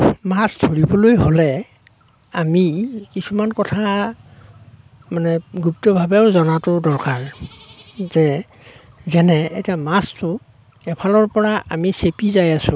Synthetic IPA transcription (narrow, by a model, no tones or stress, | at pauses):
mastʰoɹibɔlojɦolɛ | amikisumankɔtʰa | manɛɡuptɔbʱabɛʊzɔnatʊdɔɹkaɹ | zɛ | zɛnɛḛjtiamastʊ | ɛpʰalɔɹpɔɹaʔamisepizajasʊ̃